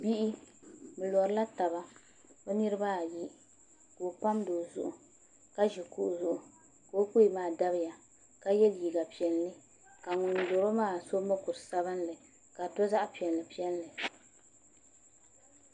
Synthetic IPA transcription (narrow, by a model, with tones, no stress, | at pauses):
bi˦ʔi˦bɨ˨lɔ˨ɾɨ˦la˦ta˨ba˦ | o˦nɨ˦ɾɨ˦ba˦a˨ji˦ | ko˨pa˦mdo˨zʊ˨ʔʊ˨ | ka˦ʒi˨ku˦ʔʊ˨zʊ˨ʔʊ˨ | ko˨˦ku˦i˨maː˦˨da˦bɨ˦ja˨ | ka˦jɛ˦lji˨ɡa˨pi˨ɛ˨lːɨ˦ | ka˨ŋʊ˨n˨lo˨ɾo˦maː˦˨so˦mɨ˦kʊ˨ɾɨ˨sa˦bɨ˦n˦lɨ˨ | ka˨tɔ˦za˦ʔpi˨ɛ˨lːɨ˨pi˦ɛ˦lːɨ˨